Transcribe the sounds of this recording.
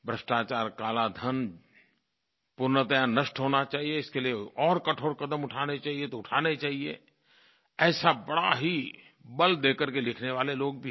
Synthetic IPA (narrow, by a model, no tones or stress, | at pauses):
bɾəsʈaːt͡ʃaːɾkaːlad̪ʱən | pʊɾnət̪əjanəʃʈɦoːnat͡ʃaːɦieɪskelieɔːɾkɐʈʰoːɽkɐd̪əmʊʈʰaːnet͡ʃaːɦiet̪oʊʈʰaːnet͡ʃaːɦiḛ | ɛːsabɐɽaɦi | bɐld̪eːkəɾkelɪkʰneʋaːleloːɡ̚bʱi